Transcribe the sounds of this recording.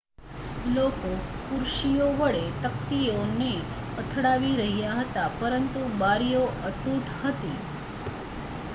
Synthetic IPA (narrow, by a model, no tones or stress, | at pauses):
lokokuɾʃijoʋəɭet̪ək̚t̪ione | ət̪ʰɽaʋiɾəɦjaɦət̪apəɾənt̪ubaɾijoət̪uʈʰhət̪i